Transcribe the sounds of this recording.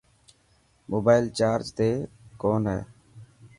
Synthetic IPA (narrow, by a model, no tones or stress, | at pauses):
moːbaːɪlt͡ʃaːɾd͡ʒt̪eːkoːnɦɛ̰ː